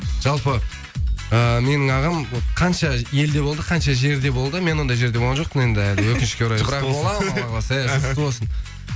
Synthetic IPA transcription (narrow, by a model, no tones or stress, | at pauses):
ʒ̥ɑlˠpə | əme̞nɪŋɑʁəmqʰɑnʃɑje̞ld̪e̞bo̞lˠd̪əqʰɑnʃɑʒe̞ɾd̪e̞bo̞lˠd̪əme̞nwo̞nd̪ɑjʒe̞ɾd̪eoʁɑnʒo̞q̚pəne̞nd̪ɪælɪwɵkʲɪnʃɪ̥kʲewuɾɑjd̪əbɾɑolˠɑɑʁɑsɑjɑʃɪt̪əbo̞lˠsən